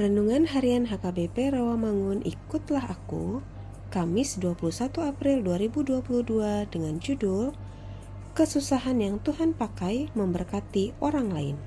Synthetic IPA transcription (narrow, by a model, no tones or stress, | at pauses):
ɾənuŋanɦaɾianɦakabepɛɾowamaŋʊnʔḭkʊt̪laɦakṵ | kamɪsduapulusat̪uapɾɪlduaɾibuduapuluhduadəŋand͡ʒudʊr | kəsusaɦanjaŋt̪uɦanpakajməmbərkat̪ioɾaŋlaɪn